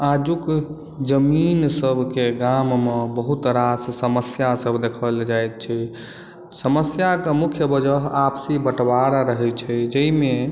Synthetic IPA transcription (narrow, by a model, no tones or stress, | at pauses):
ad͡ʒuk | d͡ʒəminsəbʱkeɡammebəɦut̪ɾassəməsjasəbʱd̪ekʰəld͡ʒajt̪̚t͡ʃʰɛ | səməsjakemukʰjəbəd͡ʒəɦapsibəʈbaɾɾəɦɛt͡ʃʰɛd͡ʒəime